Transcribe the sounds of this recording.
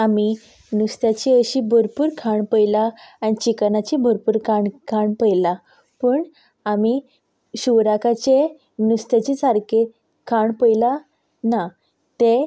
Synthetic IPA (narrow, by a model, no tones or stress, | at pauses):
ami | nust̪jat͡ɕiəɕibʱəɾpuːɾkʰaɳpəjlaañit͡ɕiknat͡ɕibʱəɾpuːɾkʰaɳkʰaɳpəjla | pəːɳ | ami | ɕuʋɾakʰat͡ɕe | nust̪et͡ɕit͡saɾke | kʰaɳpəjla | na | t̪e